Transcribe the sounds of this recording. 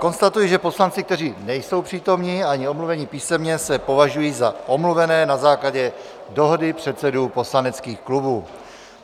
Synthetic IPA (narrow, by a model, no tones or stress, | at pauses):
ko̞nst̪at̪ujiʒɛpo̞slant͡sɪk̚t̪ɛriːnɛjso̞wpr̝̥iːt̪o̞mɲiːaɲɪo̞mluvɛɲipiːsɛmɲɛsɛpo̞vaʒujiːzaʔo̞mluvɛnɛːnazaːklaɟɛ | do̞ɦodɪpr̥ɛt̪t͡sɛduːpo̞slanɛt͡skiːxklubuː